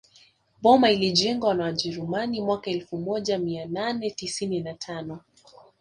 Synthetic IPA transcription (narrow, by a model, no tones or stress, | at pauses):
ɓɔmailiʄɛŋɡwaanawaʄɛɾumanimwakaɛlfumɔʄamiananɛtisininatʰanɔ